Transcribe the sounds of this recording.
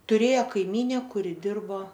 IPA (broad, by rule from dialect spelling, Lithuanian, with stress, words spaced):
tʊˈrʲeːjoː kɐɪˈmʲiːnʲɛ ˈkʊrʲɪ ˈdʲɪrboː